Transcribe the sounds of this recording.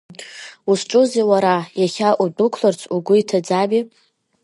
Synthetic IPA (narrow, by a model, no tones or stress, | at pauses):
usʈ͡ʂʼʊzewaɾajaχʲaʔʷudʼʊkʷʰlɨrt͡sʰuɡʷʊitʰad͡zabi